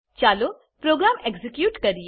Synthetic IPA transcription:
t͡ʃaːlo | pɾoːɡɾaːmeɡzɪkjuːʈkɐɾi

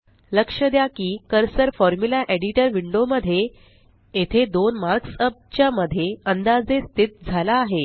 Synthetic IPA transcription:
ləkʂəd̪jakiːkəɾsəɾfɔɾmulaʔeɽiʈəɾʋiɳɖoməd̪ʱːje | et̪ʰed̪onmaɾksəp̚t͡ɕjaməd̪ʱːjeənd̪ad͡zest̪it̪̚d͡zʱalaːɦe

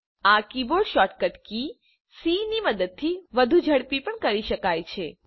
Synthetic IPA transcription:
akiboɖʃɔʈkəʈki | siniməd̪əd̪̚t̪ʰiʋəd̪ʱud͡ʒʱəɭpipəɳkəɾiʃəkajt͡ʃʰe

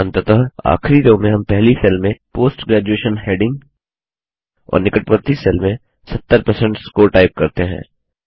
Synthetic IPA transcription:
ɐ̃nt̪ət̪əɦa̰ːxɾid̪õmẽɦɐmpɛɦlisɛlmẽpoːsʈɡɾæːd͡ʒueːʃənheːɖɪ̃ŋɡ | ɔ̰ːɾnɪkəʈʋəɾt̪isɛːlmẽ | sɐt̪ːəɾpɐɾsɛ̃ɳʈskoʈaːɪp̚kɐɾt̪eɦɛ̰̃ː

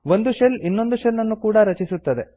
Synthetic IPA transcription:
ʋo̞nd̪uʃelinːo̞nd̪uʃelːɐnːukuːɽɐɾɐt͡ʃisut̪ːɐd̪e̞

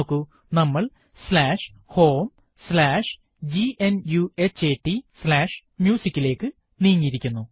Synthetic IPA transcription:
kːɨ | nɐmːɐɭ | slaːʂ | ho̞ːm | slaːʂ | d͡ʑienjuet͡ɕːeːʈːislaːʂ | mjuːsikʲːile̞ːkːɨ | niːŋːiɾikʲːunːu

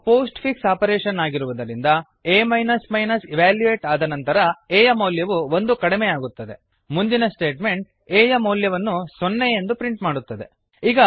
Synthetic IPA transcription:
poːsʈpʰiksaːpɐɾeːʃɐnaːɡiɾuʋud̪ɐɾind̪ɐ | eːmɐjnɐsmɐjnɐsiʋaːljueːʈaːd̪ɐnɐnt̪ɐɾɐeːjɐmɐwljɐʋuʋo̞nd̪ukɐɽimejaːɡut̪ːɐd̪e̞ | mund̪inɐsʈe̞ːʈme̞ɳʈ̚ | eːjɐmɐwljɐʋɐnːusonːejend̪upɾiɳʈmaːɽut̪ːɐd̪e̞ | iːɡɐ

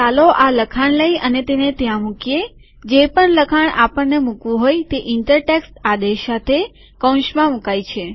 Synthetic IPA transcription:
aloʔaləkʰaɳləjənet̪enet̪jãmukje | d͡ʒepəɳləkʰaɳapəɳːemukʋũɦojt̪eʔɪɳʈəɾʈeksʈad̪eʃat̪ʰe | kə̃w̃ʃmãmukajt͡ʃʰe

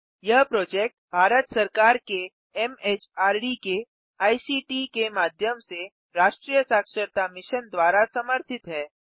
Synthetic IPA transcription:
jɐɦpɾoːd͡ʒeːk̚ʈbʱaːɾət̪sɐɾkaːɾke | ɛmeːt͡ʃaːɾɖike | aːisiʈikemaːd̪ʱjəmse | ɾaːʃʈɾijəsaːkʃəɾt̪amɪʃənd̪waːɾasɐməɾt̪ʰɪt̪ɦɛː

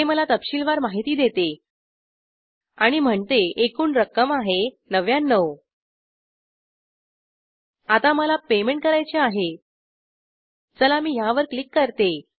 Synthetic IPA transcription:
eməlat̪əpɕiːlʋaɾmaɦit̪iːd̪et̪e | aɽ̃im̤əɳt̪eekuːnɾəkəmaɦe | nəʋjanːəw | at̪aməlapemeɳʈ̚kəɾajt͡ɕeaɦe | t͡səlamiːɦjaʋəɾklikːəɾt̪e

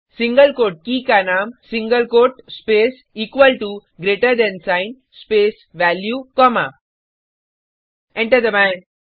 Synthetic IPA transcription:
sĩŋɡəlkoːʈ̚kiːkanaːmsĩŋɡəlkoːʈspeːs | iːkʋəlʈuɡɾeːʈəɾd̪ɛ̃nsãɪn | speːs | ʋæljukɔma | ɛ̃ɳʈəɾd̪əmɛ̃n

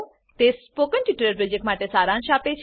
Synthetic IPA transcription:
t̪espokənʈiʈɾəɾpɾɔd͡ʒek̚ʈmaʈesaɾãnʃapet͡ʃʰ

